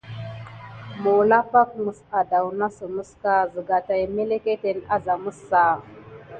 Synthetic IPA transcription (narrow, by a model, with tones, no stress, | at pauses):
mo˨la˦pa˦k̚mu˨sa˨da˨wna˦sə˨mu˦ska˦zə˨ɡa˨ta˨jme˦le˦ke˦te˨na˦za˨mu˦sːa˨